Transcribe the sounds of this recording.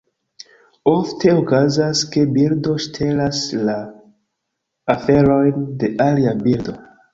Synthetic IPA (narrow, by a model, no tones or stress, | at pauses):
oftʰe̞okazaske̞bildo̞ʃtʰe̞lasla | fe̞ɾo̞jnde̞ʔaliabildo̞